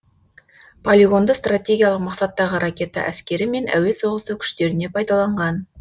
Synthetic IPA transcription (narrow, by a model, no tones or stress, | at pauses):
pʰolʲiɡo̞nd̪əst̪rat̪ʲe̞ɡʲijɑlˠəqmɑqsɑt̪ːɑʁəɾɑkʲe̞t̪ɑ̰ʔæskʲe̞ɾɪme̞nʔæ̰we̞so̞ʁəst̪əkʲʰʏ̥ʃt̪e̞ɾɪne̞pʰɑjd̪ɑlˠɑɴʁɑn